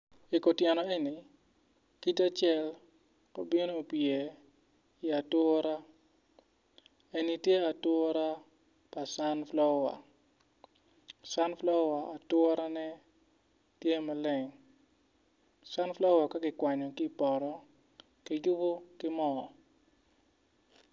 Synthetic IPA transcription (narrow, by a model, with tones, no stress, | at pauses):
i˨ko˨tjɛ˨nɔ˨e˦ni˨ | ki˦ta˦t͡ʃɛ˦l | ko˦bi˦no˦o˨pje˨ | iɪ˨a˨tɔ˦ɔ˦ɾa˦ | e˨ni˦tje˦a˨tɔ˦ɔ˦ɾa˦ | pa˨sa˦nflɔ˦wa̰˨ | sa˦nflɔ˦wa˨a˨twʊ˦ɔ˦ɾa˦nɛ˦ | tje˦ma˨lɛ˨ŋ | sa˦nflɔ˦wa˨ka˦kɪ˨kwa˨ɲɔ˨ki˦˨pɔ˨ɾɔ˦ | kɪ˨jʊ˦bo˦kɪ˦mɔ˦˨